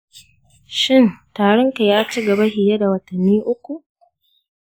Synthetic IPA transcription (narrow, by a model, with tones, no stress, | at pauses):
ʃɪ˦˨ntaː˨ɽɐ˦ŋka˨jaː˦t͡ʃi˦ɡɐ˨ba˦hɪ˨ja˦da˨wɐ˨tɐ˨nːiː˦ʔʊ˦kʷu˨ʔ